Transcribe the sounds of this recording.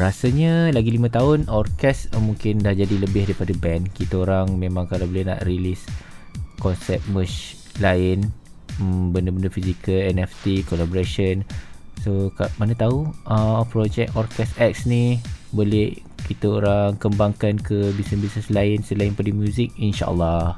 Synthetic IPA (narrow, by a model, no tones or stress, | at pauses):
rasaɲəlaɡilimãt̪aʊnɔrkɛsmuŋkɪndahd͡ʒadiləbɪhdaipadabɛnkit̪aoɾaŋmẽmãŋkalabolɛhna̰ʔrilis | kɔnsɛp̚məs | laɪn | əmbəndəbəndəfizikəlɛnɛft̪ikolabɔɾaʃənsokamanət̪auəpɾɔd͡ʒɛk̚ɔrkɛsɛk̚snibolɛh | kit̪əoɾaŋkəmbaŋkankəbisəsbisnəslaɪnsəlaɪnpadəmjuzɪk̚inʃa̰ʔə̰lːɑh